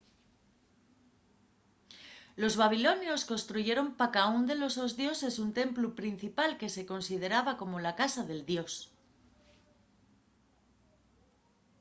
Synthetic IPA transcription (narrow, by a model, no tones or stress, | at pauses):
lo̞zβaβ̞ilo̞njo̞sko̞nst̪ɾuʝe̞ɾo̞mpakaund̪e̞lo̞so̞zðjo̞se̞sunt̪e̞mplupɾin̟θipalke̞se̞ko̞nsið̞e̞ɾaβako̞mo̞lakasaðe̞ld̪jo̞s